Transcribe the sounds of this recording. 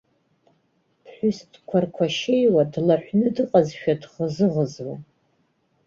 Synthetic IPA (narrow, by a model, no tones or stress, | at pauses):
pʰħʷᶣʊstkʷʰarkʷʰaʃejwadlaħʷᶣnɨdɨqʼazʃᶣadʁəzɨʁəzwa